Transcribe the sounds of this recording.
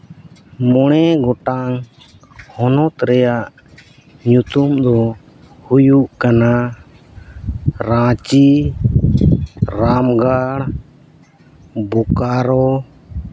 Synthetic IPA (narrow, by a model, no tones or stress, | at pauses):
mɔɽ̃ɛɡɔʈaŋ | hɔnɔt̪ɾɛjaʔ | ɲut̪umd̪ɔ | hujuʔkana | ɾãt͡ʃi | ɾamɡaɽ | bɔkaɾɔ